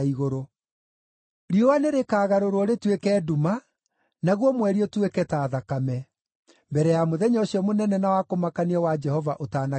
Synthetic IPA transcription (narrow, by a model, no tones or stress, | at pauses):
iɣoɾo | ɾiowaneɾekaːɣaɾoɾɔɾetwekɛːduma | naɣwɔmwɛɾiɔtwekɛtaːðakamɛ | mbɛɾɛjamoðɛɲɔɕiɔmonɛnɛnawakomakaniɔwad͡ʒɛhɔvaʔotaːna